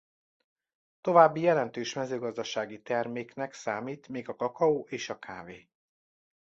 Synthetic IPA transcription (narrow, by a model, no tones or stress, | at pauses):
t̪o̞vaːbːijɛlɛnt̪øːʃmɛzøːɡɒzd̪ɒʃaːɡit̪ɛrmeːknɛksaːmiːt̪meːɡɒkɒkɒoːʔeːʃɒkʰa̰ːveː